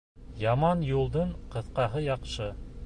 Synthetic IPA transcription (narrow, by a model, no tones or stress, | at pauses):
jɑmɑnjulˠd̪ɤɴqɤ̆θqɑɦɤjɑqʃɤ